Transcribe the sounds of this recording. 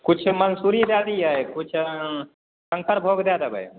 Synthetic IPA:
kut͡ʃʰmənsuɾid̪ad̪iəjkut͡ʃʰ | səŋkʰəɾbʱoɡd̪ad̪əbə̰j

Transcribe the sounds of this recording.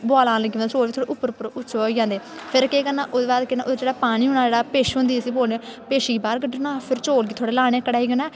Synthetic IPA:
baːlãːləɡːʋãːnːt͡ʃoːliːt̪ʰoːɽeːʔʊpːəɾʊpːəɾʊt͡ʃːoiːd͡ʒãːnd̪eːpʰɪɾkeːkənːãːʔoːd̪eːbaːd̪kenã̰ʔoːd̪ed͡ʒeːɽaːpaːɽiːɦʊːɳaːd͡ʒeːɽaːpeːʃɦʊ̃nd̪iːsiːboːlneːpeːʃiːbaːɾɡəɖənãːpʰɪɾt͡ʃoːlɡiːt̪ʰoːɽeːlaːɽ̃eːkəɽaːiːɡənɛː

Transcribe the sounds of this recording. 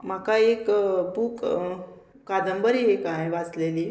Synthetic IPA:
m̤akaekbuːk | kad̪əmbəɾiɦekãjʋat͡sleli

